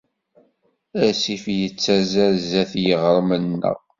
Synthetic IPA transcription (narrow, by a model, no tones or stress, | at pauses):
æsifjət͡sːæzæɾzæθjəʁɾˤmənːə̰ʁ